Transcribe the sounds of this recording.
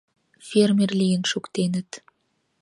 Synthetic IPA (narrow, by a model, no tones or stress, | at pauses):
fermerlijənʃukt̪enə̆t̪